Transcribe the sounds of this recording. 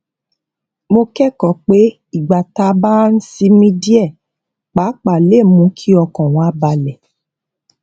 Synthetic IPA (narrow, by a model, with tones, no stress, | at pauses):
mo˧kɛ˦kɔ˨k͡pe˦ | i˦˨ɡ͡ba˨ta˧˦ba˦n̩˦si˧˦mĩ˦di˦ɛ˦˨ | k͡pa˨˦k͡pa˨le˦˨mũ˨˧˦kʰi˦ɔ˧kɔ̃˨w̃ɔ̃˨a˦ba˧lɛ˨